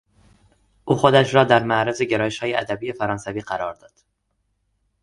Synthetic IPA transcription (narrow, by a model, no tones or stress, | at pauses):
ʔuːxod̪æʃɾɒːd̪æɾmæʔɾæzeɟe̞ɾɒːjeʃhɒːjeʔæd̪æbiːje̞fæɾɒːnsæviːɢæɾɒːɾd̪ɒːd̪̥